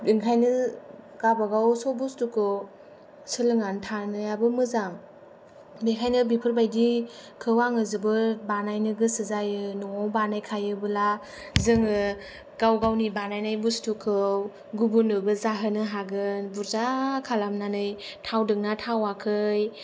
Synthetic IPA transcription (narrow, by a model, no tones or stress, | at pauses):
dɯŋkʰajnɯ | ɡ̥abaɡawsɔbustukʰɯw | sɯlɯŋantʰanɯjabɯmɯzaŋ | bekʰajnɯbipʰɯɾbajdikʰɯwaŋɯzɯbɯbanajnɯɡɯsɯzajɯnɔŋɔwbanajkʰajɯbɯla | zɯŋɯ | ɡ̥awɡawnibanajnajbustukʰɯw | ɡubunɯbɯzaɦɯnɯɦaɡɯnbuɾzakʰalamnanɯjtʰawdɯŋnatʰawakʰɯj